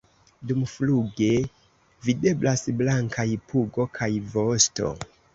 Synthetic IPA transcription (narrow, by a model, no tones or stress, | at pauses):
dumfluɡe | vide̞blasblaŋkʰajpuɡo̞kʰajvosto̞̰